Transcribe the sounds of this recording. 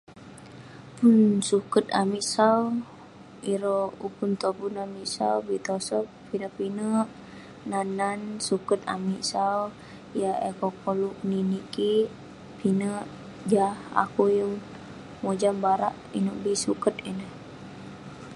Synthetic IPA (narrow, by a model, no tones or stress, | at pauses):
punsukət̪amiʔsau | iɾɔukunt̪obunamiʔsa̰ubit̪ɔsɔp̚pinəʔpinəʔ | nanansukət̪a̰miʔsau | jaekɔkɔluʔ̚niniki | pʰinəʔ | d͡ʒaha̰kujəŋ | mod͡ʒambaɾa̰ʔ | inəʔbisukət̪inəh